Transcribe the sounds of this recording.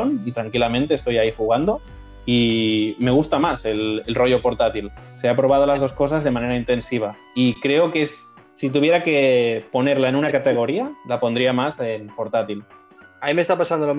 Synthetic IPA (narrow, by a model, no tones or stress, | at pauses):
onit̪ɾaŋkilamẽnt̪eːst̪o̞jaixuɣ̞and̪o̞ | ime̞ɣust̪amase̞lelro̞ʝo̞po̞ɾt̪at̪ilseapɾo̞β̞að̞olazð̞o̞sko̞sazðe̞mãne̞ɾaint̪e̞nsiβ̞a | ikɾe̞okesː | it̪̬uβje̞ɾake̞po̞ne̞ɾlae̞nunakat̪e̞ɣ̞o̞ɾialapo̞nd̪ɾiamase̞npo̞ɾt̪at̪il | amimest̪apasand̪olo